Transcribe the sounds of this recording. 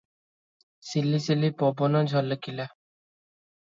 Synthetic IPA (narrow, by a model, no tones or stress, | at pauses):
silːisilipɔbɔnɔd͡ʒʱɔlːəkila